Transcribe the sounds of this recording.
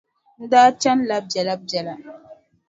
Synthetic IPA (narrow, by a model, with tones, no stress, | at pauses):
n̩˦da˦t͡ʃa˦nla˦p̚d͡ʒɛ˨la˦b̚d͡ʒɛ˨la˨